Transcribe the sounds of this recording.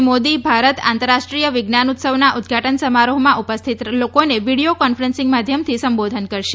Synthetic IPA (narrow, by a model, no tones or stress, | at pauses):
mod̪ibʱaɾət̪ã̰nt̪əɾːaʃʈɾijəʋɪɡnanut̪səʋnaʔud̪̚ʱɡʱaʈənsəmaɾuɦmãʔupəst̪ʰit̪lokoneʋiɽijokɔnfəɾẽnsɪ̃ŋɡmad̪ʱjəmt̪ʰisəmbod̪ʱənkəɾʃe